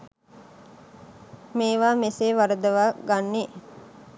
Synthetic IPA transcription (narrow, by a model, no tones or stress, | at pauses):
meːʋaːmeseːʋaɾəd̪əʋaːɡanːe